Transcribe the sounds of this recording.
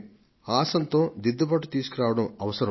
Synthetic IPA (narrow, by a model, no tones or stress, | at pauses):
aːsɐnt̪oːd̪id̪ːɐpɐʈːut̪iːsukiɾaːʋɐɽɐmɐʋɐsɐɾɐ